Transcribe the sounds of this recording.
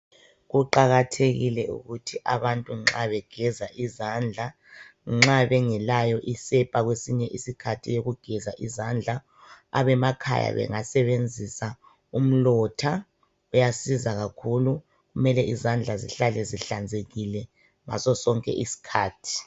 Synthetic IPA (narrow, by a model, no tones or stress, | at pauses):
ɣuǃaɣatʰeɣilɛṵɣutʰiʔaβantʼuŋ͡ǁaβɛɡ̥ʱɛzaʔizand͡ɮʱa | ŋ͡ǁaβɛŋɛlajɔʔisɛpʼaɣwesiɲɛʔisikʰatʰijoɣuɡ̥ʱɛzaʔizand͡ɮʱa̰ː | βɛmakʰa̰ja̰βɛ̰ŋasɛβend͡zʱisa | um̩lɔtʰa | ujasizaɣakʰulu | ɣumɛlɛʔizand͡ɮʱaziɬalɛziɬand͡zʱeɣilɛ | ma̰sɔsɔŋkʼɛ̰ʔisi̥kʰaːtʰi̥